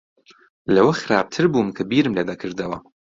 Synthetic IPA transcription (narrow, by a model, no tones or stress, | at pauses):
lɐwɐxɨɾaːb̚t̪ʰɨɾbuːmkʰɐbiːɾɨmleːd̪ɐkʰɨɾd̪ɐwɐ̰